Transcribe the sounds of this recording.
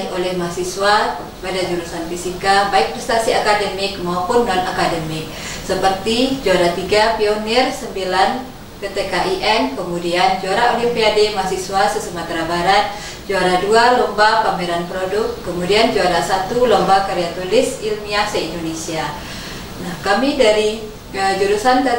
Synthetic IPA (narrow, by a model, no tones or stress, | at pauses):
olɛhmasiswa | padad͡ʒuɾusanfisikabaɪk̚pɾɛst̪asiakadəmɪk̚maopʊnːɔnakadəmɪk̚ | səpərt̪id͡ʒuaɾat̪iɡapiɔnirsəmbilan | kət̪ekaʔiʔɛnkəmudiand͡ʒuaɾaolɛpeademasisuasəsəmat̪ɾabaɾat̪̚ | d͡ʒuaɾadualɔmbapameɾanpɾodʊkːəmudiand͡ʒuaɾasat̪ulɔmbakaɾiat̪ulɪsilmiasaindonesia | nahkamidaɾi | əd͡ʒuɾusant̪ə